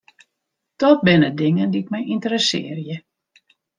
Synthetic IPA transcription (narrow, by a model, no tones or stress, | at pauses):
d̥ɔt̚bɪnədɪŋəndiɪk̚mɛjintəɾəsɪ̰ərjə